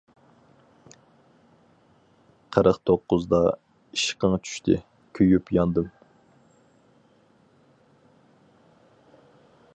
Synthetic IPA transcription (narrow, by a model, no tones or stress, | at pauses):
qʰəɾəqt̪ʰoqːʊzd̪ɑ | iʃqəŋt͡ʃʰy̥ʃt̪ʰɪ | kʲʰøjypjɑnd̪ɨm